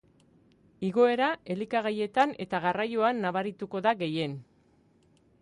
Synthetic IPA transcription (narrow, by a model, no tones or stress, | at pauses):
iɣo̞e̞ɾae̞likaɣ̞aje̞t̪ane̞̰t̪aɣarajoanːaβaɾit̪uko̞ðaɣe̞je̞n